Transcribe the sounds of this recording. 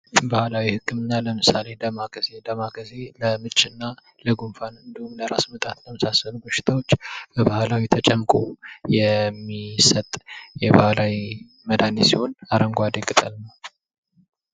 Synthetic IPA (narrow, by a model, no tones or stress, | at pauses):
bahlawihɨkʰːɨmɨnːaləmɨsale̞d̪əmaɡəzed̪əmaɡəze̞ləmɨt͡ʃʼːɨnːa | ləɡunfanɨnd̪əhumləɾasmət̪ʼat̪ləməsasənuɡoʃɪ̥t̪ʰawot͡ʃːbəbahlawit̪ʰət͡ʃʼɛmːkʼojɛmːisət̪ʼjɛbahlawi | məd̪anesiho̞naɾəŋɡʷad̪əkʼːɨt̪ʼəlnəw